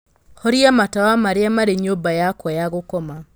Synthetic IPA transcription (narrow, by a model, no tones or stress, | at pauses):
hɔɾiamatawamaɾeamaɾeɲobajakwɔjaɣokɔma